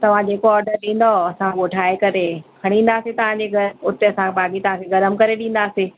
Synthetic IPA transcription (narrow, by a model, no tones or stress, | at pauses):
t̪ɐʋ̤ãd͡ʑeːkoɔːɾɖəɾɗĩːn̆d̪oɐsãɠoːʈʰaːekɐɾekʰɐɽ̃ĩːn̆d̪aːset̪ɐʋ̤ãd͡ʑeɡʱɐʊt̪eɐsãbaːɡit̪ɐʋ̤ãːkʰeɡɐɾəmkɐɾeɗĩːn̆d̪aːseː